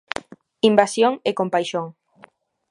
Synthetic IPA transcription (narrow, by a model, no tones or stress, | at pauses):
imbasjoŋekompajʃoŋ